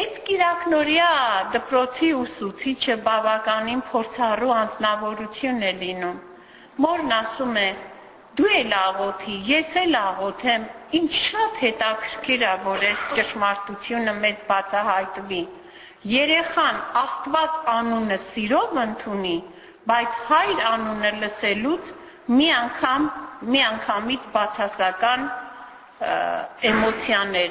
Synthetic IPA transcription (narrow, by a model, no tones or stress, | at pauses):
ɛskiɾɑknɔɾjɑd̪əpɾɔt͡sʰiusut͡sʰit͡ʃʰəbɑvɑkɑninpʰɔɾt͡sʰɑruɑnd͡znɑvɔɾut͡sʰjunɛlinumː | ɔɾnɑsumɛ | d̪uɛlɑʁɔt̪ʰijɛshɛlɑʁɔt̪ʰɛmint͡ʃʰʃɑt̪hɛt̪ɑkʰəɾkʰiɾɑvɔɾɛst͡ʃəʃmɑɾt̪ut͡sʰjunəmɛt͡sbɑt͡sʰɑɦɑjt̪vi | jɛɾɛχɑnɑst̪vɑt͡sɑnunəsiɾɔvənt̪ʰuni | bɑjt͡sʰhɑjɾɑnunələsɛlut͡sʰ | miɑŋkʰɑmːiɑŋkʰɑmit͡sʰbɑt͡sʰɑsɑkɑn | ɛmɔt͡sʰjɑnɛɾ